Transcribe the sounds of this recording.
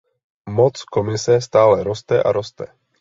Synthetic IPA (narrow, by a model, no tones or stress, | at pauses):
mɔt͡skɔmisɛst̪aːlɛɾɔst̪ɛʔa̰ɾɔst̪ɛ̰